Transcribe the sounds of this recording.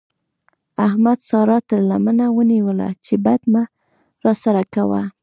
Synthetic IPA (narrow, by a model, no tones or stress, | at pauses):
ahmad̪sɑɾɑt̪alamənawəniwəla̰t͡ʃebad̪ma | ɾɑsaɾakawa̰